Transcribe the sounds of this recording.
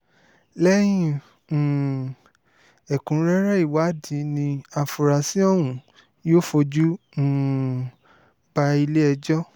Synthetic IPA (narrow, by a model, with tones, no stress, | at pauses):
lɛ˦j̃ĩ˦˨ | ɛ˨kũ˨˦ɾɛ˦ɾɛ˦i˦˨wa˨˦dĩ˨˦nĩ˧a˧fu˨ɾa˨sĩ˦ɔ˦˨wũ˨ | joː˦fo˧d͡ʒũ˦˨ | b̥a˧i˧le˦ɛ˧d͡ʒɔ˦